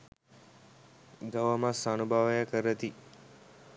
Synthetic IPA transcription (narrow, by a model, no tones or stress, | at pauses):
d̪əʋəmasanubʱaʋɐjakəɾət̪i